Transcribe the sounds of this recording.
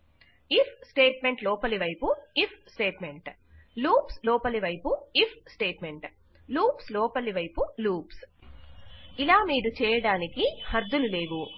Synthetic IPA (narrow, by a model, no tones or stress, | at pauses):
ipʰsʈeːʈme̞ɳʈlɔːpɐliʋɐjpuipʰsʈe̞ːʈme̞ɳʈ | luːpslɔːpɐliʋɐjpuipʰsʈeːʈme̞ɳʈ | luːpslɔːpɐliʋɐjpuluːps | ilaːmiːɾut͡ʃɛːjɐɽaːnikihɐɾd̪ululeːʋu